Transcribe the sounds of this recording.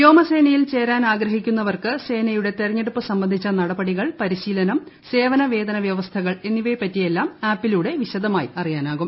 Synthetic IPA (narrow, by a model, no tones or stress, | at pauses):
jo̞ːmɐse̞ːnɐjilt͡ɕe̞ːɾaːnaːɡɾɐɦikʲːunːɐʋɐrkɨse̞ːnɐjuɽe̞t̪erɐɲːeɽupːɨsɐmbɐnd̪ʱit͡ɕːɐnɐɽɐbɐɽiɣɐɭpɐɾiɕiːlɐnɐm | se̞ːʋɐnɐʋe̞ːd̪ɐnɐʋjɐʋɐst̪ʰɐɣɐɭe̞nːiʋɐjpːɐtːije̞lːaːmaːpːiluɽe̞ʋiɕɐd̪ɐmaːjiɐrijaːnaːɣum